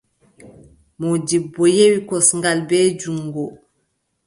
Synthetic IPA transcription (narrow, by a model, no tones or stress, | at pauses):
mɔd͡ʒibːɔjewikɔsŋɡalbɛːd͡ʒuŋɡɔ